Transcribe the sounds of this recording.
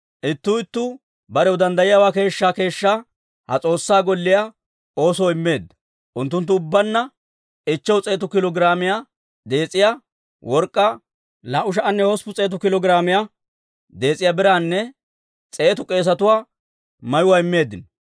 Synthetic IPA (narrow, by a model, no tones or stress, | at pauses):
ʔɪt̪ːʊːɪt̪ːʊ | bɐɾɛwʊd̪ɐnd̪ɐjɪjaːwaːke̞ːʃːaːke̞ːʃːa | hɐ̰t͡sʼo̞ːsːaːɡɔlːɪja | o̞ːsɔːɪmːe̞ːd̪ːɐ | ʔʊnt̪ːʊnt̪̬ːʊːbːɐnːɐ | ɪt͡ʃːɛwt͡sʼe̞ːt̪ʊkɪlɔɡɪɾaːmɪjaː | d̪e̞ːt͡sʼɪja | wʔɔɾkʼːɐ | laːʔʊʃ̬ɐʔɐnːɛhɔspʊt͡sʼe̞ːt̪̬ʊkɪlɔɡɪɾaːmɪjaː | d̪e̞ːt͡sʼɪjabɪɾaːnːɛ | t͡sʼe̞ːt̪ʊkʼe̞ːs̬ɐt̪ʊwaː | mɐjʊwaɪmːe̞ːd̪ːɪn